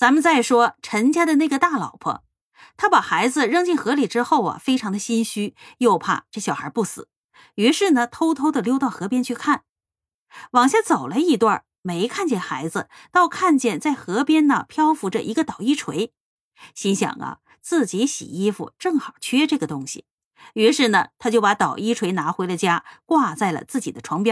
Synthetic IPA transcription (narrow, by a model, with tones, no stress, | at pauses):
t͡sa˧˥nmə˧nt͡sa˥˩ɪʂwɔ˥ʈ͡ʂʰə˧˥nt͡ɕja˥d̪ə˨na˥˩ɡə˩t̪a˥˩lɑ̰˨˩ʊpʰə̰˧˥ | t̪ʰa˥pa˨˩xa˧˥ɪd͡zɹ̩˧ɻɤ˥˧ŋt͡ɕi˥˩nxɤ˧˥li˨˩ʈ͡ʂɻ̩˥xo˥˩ʊɐ̰˩fe˥ɪʈ͡ʂʰɑ˧˥ŋd̪ə˧ɕi˥nɕy˥jo˥˧ʊpʰa̰˥˩ʈ͡ʂɤ˥˩ɕjɑ˨˩xə̰˧˥pu˥˩sɹ̩˨˩˦ | y˧˥ʂɻ̩˥˩nə˩t̪ʰo˥ʊt̪ʰo˥ʊd̪ə˨ljo˥ʊt̪ɑ˥˩ʊxɤ˧˥pjɛ˥nt͡ɕʰy˥˧kʰa˥˩n | wɑ˨˩ŋɕja˥˩t͡so˨˩ʊlə˦i˥˧t̪wa˥˩ | me˧˥ɪkʰa˥˧nt͡ɕjɛ˥˩nxa˧˥ɪd͡zɹ̩˧t̪ɑ˥˧ʊkʰa˥˧nt͡ɕjɛ˥˩nt͡sa˥˩ɪxɤ˧˥pjɛ˥nnə˨pʰjɑ˥ʊfu˧˥ʈ͡ʂə˧˨ʔi˧˥ɡə˧t̪ɑ˨˩ʊi˥ʈ͡ʂʰwe˧˥ɪ | ɕi˧˥nɕjɑ̰˨˩ŋɐ̰˦ | t͡sɹ̩˥˩t͡ɕi˧˥ɕḭ˨˩i˥fṵ˧ʈ͡ʂɤ˥˩ŋxɑ˨˩ʊt͡ɕʰɥɛ˥ʈ͡ʂɤ˥˩ɡə˩t̪ʊ˥ŋɕḭ˨˩ | y˧˥ʂɻ̩˥˩nə˩t̪ʰa˥t͡ɕjo˥˩ʊpa˧˥t̪ɑ˨˩ʊi˥ʈ͡ʂʰwe˧˥ɪna˧˥xwe˧˥ɪlə˧t͡ɕja˥kwa˥˧t͡sa˥˩ɪlə̰˩t͡sɹ̩˥˩t͡ɕḭ˨˩d̪ə˦ʈ͡ʂʰwɑ˧˥ŋpjɑ˥